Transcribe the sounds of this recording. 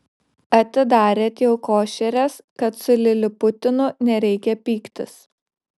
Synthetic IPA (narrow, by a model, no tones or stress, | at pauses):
ɐt̪ʲɪd̪ɑːɾʲeːt̪ʲjɛʊkoːʃʲɛɾʲɛs | kɐt̪sʊlʲɪlʲɪpʊt̪ʲɪnʊnʲɛɾʲɛɪkʲɛpʲiːkt̪ʲɪs